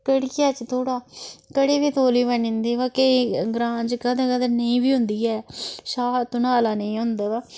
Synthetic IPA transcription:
kəɽkɪjaːt͡ʃt̪ʰoːɽaːkəɽeːʋiːt̪oːliːbənɪnd̪iːʋaːkeɡɾãːɲd͡ʒkəd̪ãːkəd̪əɾnəĩːbiːɦʊ̃nd̪iːɛːʃaːt̪ʊnaːlaːnəĩːɦʊ̃nd̪aːʋaː

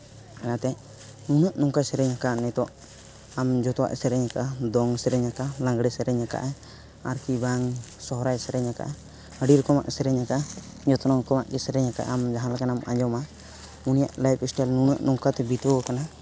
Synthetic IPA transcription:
kanat̪ɛ | nunəʔnɔŋkasɛɾɛɲakanɛt̪ɔʔ | amd͡ʒɔt̪ɔwa̰ʔsɛɾɛɲakaʔad̪ɔŋsɛɾɛɲakalãŋɡɽɛsɛɾɛɲaka̰ʔɛ | aɾkibaŋsɔɦɔɾajsɛɾɛɲaka̰ʔɛ | əɖiɾɔkɔma̰ʔsɛɾɛɲakaʔ | d͡ʒɔt̪ɔnɔŋkɔmaʔkɛsɛɾɛɲaka̰ʔamd͡ʒaɦãlakanama̰ɲd͡ʒɔma | unija̰ʔlajpisʈalnunəʔnɔŋkat̪ɛbit̪ɔkana

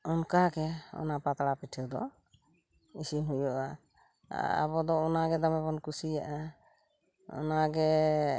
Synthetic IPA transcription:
ɔnkaɡɛɔ̰napat̪ɽapiʈʰɔd̪ɔ̰ | isiɦujɔʔa̰ | a̰bɔd̪ɔːnaɡɛd̪amɛbɔnkusijaʔa | ɔ̰naɡɛ

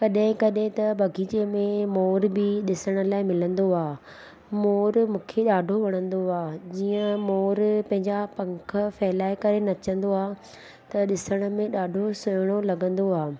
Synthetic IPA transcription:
kɐɗɦɪ̃kɐɗɦɪ̃t̪ɐbʱɐɡʱid͡ʑemẽmoːɾbʱiɗɪsəɽ̃ə̆laːɪmɪlə̃nd̪oaː | moːɾmũːkʰeɗaːɖʱoʋɐɽ̃ə̃nd̪oaːd͡ʑiːə̃moːɾpɐ̃ɦɪ̃ɲd͡ʑapɐ̃ŋkʰə̆fɛːlaːɪkɐɾenɐt͡ɕə̃nd̪oaː | t̪ɐɗɪsəɽ̃ʊ̆mẽɗaːɖʱosʊjɽ̃olɐɠə̃nd̪oaː

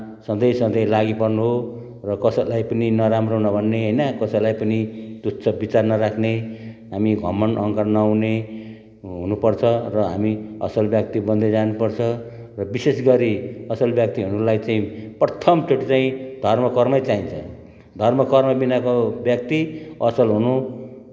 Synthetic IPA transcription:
sʌnd̪ʌjsʌnd̪ʌjlaɡipʌrnuɦo | rʌkʌsʌlajpʌninʌɾamronʌbʱʌnːeɦʌjnʌkʌsʌlajpʌnid̪utsʰʌbit͡sarnʌɾakʰneɦamiɡʱʌ̰mʌnʌŋkʌrnʌwne | ɦunupʌrt͡sʰʌrʌɦa̰miʌsʌlbjʌk̚t̪ibʌnd̪ed͡zanupʌrt͡sʰʌ | rʌbisesɡʌɾiʌsʌlbjʌk̚t̪iɦuɾulajt͡saĩprʌt̪ʰʌmʈʰoʈit͡saĩd̪ʱʌrmʌkʌrmʌjt͡saĩnt͡sʰʌ̰ | d̪ʱʌrmʌkʌrmʌbinakobjʌk̚t̪iʌsʌlɦunu

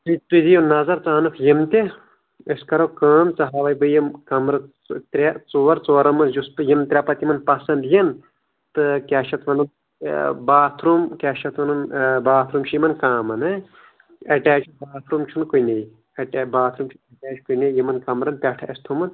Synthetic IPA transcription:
t̪it̪ud̪ijunɐzɐɾt͡saːnɨkʰjimt̪ʲe | ɐskɐɾɐwkaːmt͡sɐɦaːʋɐjbɨjɐmkɐmɾɨ | t̪ɾʲat͡soːɐɾt͡soːɾɐmɐnd͡ʒuspɨjimt̪ɾʲapɐt̪imɐnpɐsɐnd̪jɐn | t̪ɨkʲaʃʰɐt̪ʰʋɐnɐn | baːt̪ʰɾumkʲaːʃʰɐt̪ʰʋɐnɨnbaːt̪ʰɾumʃʰimɐnkaːmɐnɨ | ɐʈɛːt͡ʃbaːt̪ʰɾumt͡ʃʰunkujnej | ɐʈːbaːt̪ʰɾumt͡ʃʰuɐʈɛːt͡ʃkujnejimɐnkɐmɾɐnpʲaʈʰɐ̰ɐst̪ʰumɐn

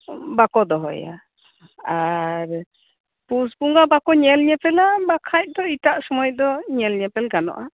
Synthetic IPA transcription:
bakɔd̪ɔɦɔ̰ja̰ | aɾ | pusbuŋɡabakɔɲɛlɲɛpɛlabakʰac̚ˀd̪ɔit̪aʔsɔmɔjd̪ɔɲɛlɲɛpɛlɡanɔ̰ʔa

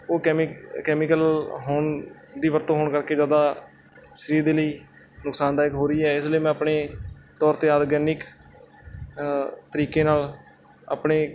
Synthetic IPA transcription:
oːkɛmkɛːmiːkəlɦoːɳ | d̪iːʋəɾt̪õːɦoːɳkəɾkeːd͡ʒaːd̪aː | ʃɾiːɾd̪eːləiː | nʊksaːnd̪aːɪkɦoːɾiːɛːɪsləiːmɛ̃ːəpɳeː | t̪ɔːɾt̪eːaːɾɡɛːnɪk | t̪əɾiːkeːnaːl | a̰ːpɳeː

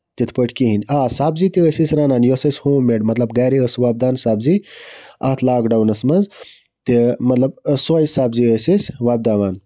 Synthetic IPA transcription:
t̪it̪ʰpəʈʰkiɦinʲaːsaːbziːt̪iəsisʲɾaːnaːnjosɐsʲhoːmːeɖmɐt̪lɐbɡaːɾiəsʋaːb̚d̪aːnsaːbziat̪ʰlaːɡɖɐwnɐsmɐnz | t̪imɐt̪lɐbsojsaːbziəsisʲʋaːb̚d̪aːʋaːn

